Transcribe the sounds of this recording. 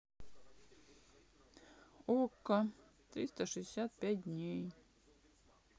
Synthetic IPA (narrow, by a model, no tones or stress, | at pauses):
okːat̪ɾʲist̪aʂɛɪsʲæt̪̚pʲæt̪̚ʲd̪ʲnʲej